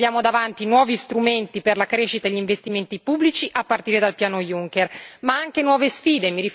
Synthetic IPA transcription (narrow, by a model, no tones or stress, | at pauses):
jaːmod̪avant̪inwɔːvist̪ɾument̪iperlakɾeʃit̪aʎːiɱvest̪iment̪ipubːlit͡ʃiʔapːart̪iːɾed̪alpjaːnojuŋk̟ermaaŋk̟enwɔːvesfiːd̪emiɾi